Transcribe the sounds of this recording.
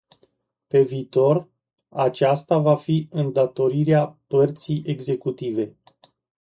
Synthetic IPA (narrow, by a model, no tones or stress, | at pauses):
pe̞viːt̪o̞r | at͡ʃast̪avafiɨnd̪at̪o̞ɾiɾeapərt̪sijʔe̞ɡze̞kut̪ive̞